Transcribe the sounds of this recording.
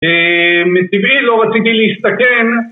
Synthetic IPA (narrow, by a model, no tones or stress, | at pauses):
emetivilo̞ʁat͡sit̪iliist̪akem